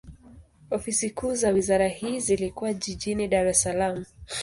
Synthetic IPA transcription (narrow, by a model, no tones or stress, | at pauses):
ɔfisikuːzawizaɾahiːzilikuwaʄiʄiniɗaɾɛsalamu